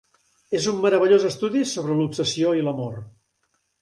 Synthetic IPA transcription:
ezumːəɾəβəʎozəst̪uðisoβɾəlupsəsioiləmor

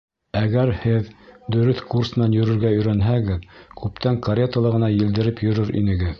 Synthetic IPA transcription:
æɡæɾhɘðd̪ɵ̆ɾɵθkursm̆nænjɵ̆ɾɵ̆ɾɡæɵ̆jɾænɦæɡɘðkʉp̚t̪æŋkɐɾʲet̪əlˠɤʁɤ̆nɑjɘ̆ld̪ɘ̆ɾɘpjɵ̆ɾɵɾḭnɘ̆ɡɘð

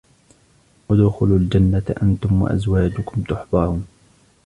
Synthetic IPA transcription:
wad̪ʊxʊlʊld͡ʒanːat̪ʔant̪ʊmwa̰ʔa̰zwaːd͡ʒʊkʊmt̪ʊħbɑɾˤuːn

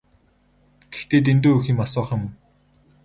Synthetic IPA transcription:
ɡ̥ext̪eːt̪̬ent̪oːɵxiːmasɔːχə̆m

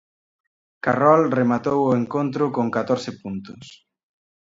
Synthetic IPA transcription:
karɔlremat̪owʊeŋkont̪ɾʊkoŋkat̪oɾsɪpunt̪ʊs

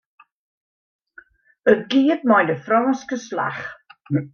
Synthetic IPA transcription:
əɡiːd̚majnəfɾɔnskəslˠa̰χ

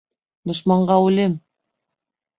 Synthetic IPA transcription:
d̪uʃmɑɴɢɑulem

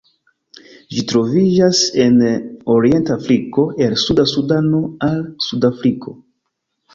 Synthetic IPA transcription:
d͡ʒitɾo̞vid͡ʒase̞no̞ɾie̞ntafɾiko̞ʔe̞lsudasudano̞alsudafɾiko̞

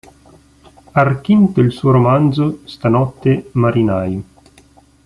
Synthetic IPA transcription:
arkint̪oilsuːoɾomand̪zost̪anɔt̪ːemaɾinaj

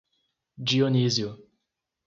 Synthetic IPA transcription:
d͡ʒioniziʊ

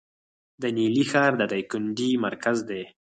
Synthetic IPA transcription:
d̪ənilixɑɾd̪əd̪ajkʊɳɖimaɾkazd̪e

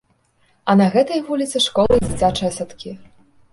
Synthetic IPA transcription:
ɐnɐɣɛt̪ɐjvulʲit̪sɨʂkɔlˠɨd͡zʲit͡sʲat͡ʂɐjɐsat̪kʲi

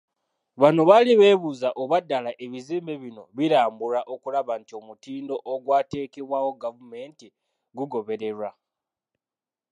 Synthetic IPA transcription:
βano̞βaliβe̞ːβuzaʔoβadːalaʔe̞βiziːmbe̞βino̞βiɾaːmbuɾaʔo̞kulaβantio̞mutiːndo̞ʔːɡwaːte̞ːkeβwawo̞ɡavume̞nti | ɡuɡo̞βe̞ɾe̞ɾwa

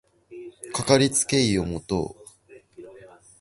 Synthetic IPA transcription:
kakaɾʲit͡sɨ̥ke̞io̞mo̞t̪o̰ː

